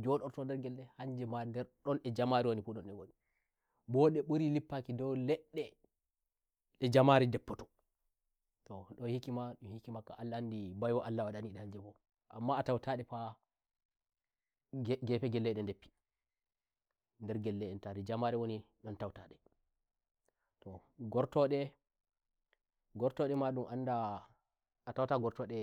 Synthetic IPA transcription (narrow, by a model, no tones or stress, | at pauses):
d͡ʒɔɗɔɾtɔndɛɾɡɛlːɛhaɲd͡ʒɛmandɛɾɗɔnɛd͡ʒamaɾiwonifuɗɔnɛwoni | bɔɗɛɓuɾilipːakidɔwlɛɗːɛ | ɗɛd͡ʒamaɾɛdɛpːɔtɔ̥ | tɔɗɔnhikimaɗɔnhikimakːa̰ʔalːandibajwaʔalːawaɗaniɗɛhaɲd͡ʒɛfɔ | ʔa̰mːaːtawtʰaɗɛfa | ɡɛpɛɡɛlːɛɗɛndepːi̥ | ndɛɾɡɛlːɛɗɛntadɛd͡ʒamaɾɛwoni | ɗɔntawtaɗɛ | tɔɡɔɾtɔɗɛ | ɡɔɾtɔɗɛmaɗumʔanda | atawtaɡɔɾtɔɗɛ